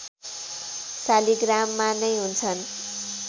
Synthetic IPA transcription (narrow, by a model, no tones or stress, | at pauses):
saliɡramːanʌjɦunt͡sʰʌn